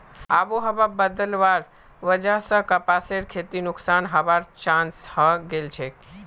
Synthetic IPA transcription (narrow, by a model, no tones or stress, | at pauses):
abuɦəbabəd̪əlʋaɾ | ʋəd͡ʒasə̃kəpaseɾkʰet̪inʊksanɦəʋaɾt͡ʃãnshəɡelt͡ʃʰe